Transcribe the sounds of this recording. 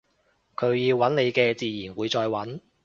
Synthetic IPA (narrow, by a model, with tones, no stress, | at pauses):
kʰɵ˨˧ɥjiː˧wwɐ˨˥nne˨˧jkɛː˧t͡siː˨˧jiː˨˩nwuː˨˧jt͡sɔː˧jwɐ˨˥n